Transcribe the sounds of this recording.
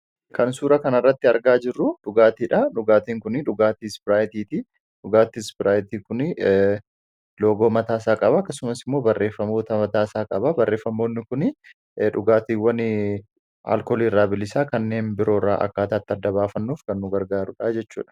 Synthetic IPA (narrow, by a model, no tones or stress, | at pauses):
kʰɐnsuːɾɐkɐnɐrːɐt̪ːɪɐɾɡaːd͡ʒɪrːʊᶑʊɡaːt̪iːᶑɐᶑʊɡaːt̪iːŋkʊnɪᶑʊɡaːt̪isbɪɾaːjt̪iːt̪i | ᶑʊɡaːt̪isbɪɾaːjɪt̪iːkʊnɪ | lo̞ːɡo̞ːmɐt̪aːsaːkʼɐbɐːkːɐsʊmɐsɪmːoːbɐrːe̞ːfːɐmo̞ːt̪ɐmɐt̪aːsaːkʼɐbɐbɐrːe̞ːfːɐmːo̞ːnːɪkʊnɪ | ᶑʊɡaːt̪iːwːɐnɪ | a̰ːlkoːliːɪrːaːbɪlːɪsaːkɐnːe̞ːnbɪɾo̞ːra̰ːʔɐ̰kːaːt̪aːt̪ːɪɐd̪ːɐbaːfɐnːuːfkɐnːʊɡɐɾɡaːɾʊᶑad͡ʒɛt͡ʃːṵːᶑɐ̥